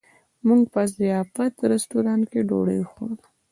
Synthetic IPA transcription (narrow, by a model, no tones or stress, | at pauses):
muŋɡ̚pəzijɑfat̪ɾɪst̪uɾɑnkeɖo̰ɽə̰jxona